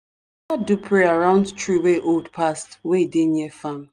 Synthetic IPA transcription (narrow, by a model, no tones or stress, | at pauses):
adupʰɹeaɹãʊ̃ndtɹiweʔoldpʰastweideɲefam